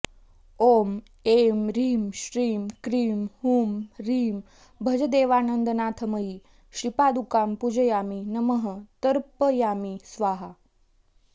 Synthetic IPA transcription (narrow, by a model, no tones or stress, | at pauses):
oːm | emɾiːmɕɾiːmkɾiːmhuːmɾiːm | bʱəd͡ʒəd̪eːʋaːnənd̪ənaːt̪ʰəməiː | ɕipaːd̪ukaːmpud͡ʒəjaːminəməɦət̪əɾpəjaːmisʋaːɦa